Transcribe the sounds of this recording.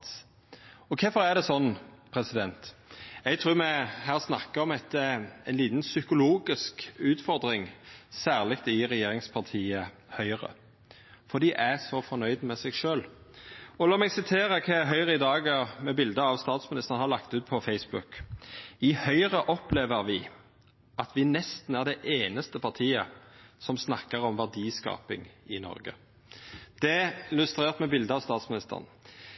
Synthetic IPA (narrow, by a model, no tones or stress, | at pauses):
ɔkʰɛfɔɾæd̪ɛsɔnːpʰɾɛsɪd̪ɛnt̪ɛɡt̪ʰɾʉːmɛhæːʁsnɑkːəɔmɛt̪ːəæɪnliːt̪nsʏkʊloːɡɪskʉːt̪fɔɾd̪ɾɪŋsæːʁlɪkt̪ɪʁɛjeːɾɪŋspʰɑʁt̪ʰiːə | hœʏʁə̰ | fɔd̪iːʔæsɔfɔnœʏd̪mɛsɛɡʃøːl | ɔlɑːmɛɡsɪt̪ʰeːʁəkʰɑːæɦœʏʁəɪd̪ɑːɡəmɛbɪld̪əɑʋst̪ɑːt̪smɪnɪst̪ənhɑɾlɑkt̪ʉːt̪̚pʰɔfɛɪsbʉk | ɪhœʏɾəʔɔpleːʋəɾʋɪ | ʔɑt̪ʰʋɪnɛst̪n̩æʁd̪ɛʔeːnəst̪əpʰɑt̪ʰiːə̰sɔmsnɑkːəɾɔmʋæʁd̪iːskɑ̰ːpɪ̰ŋɪnɔ̰ɾɡə̰ | d̪̥ɛɪlʉst̪ɾeːʁt̪mɛbɪld̪əɑʋst̪ɑːt̪smɪnɪst̪ə̰ʁn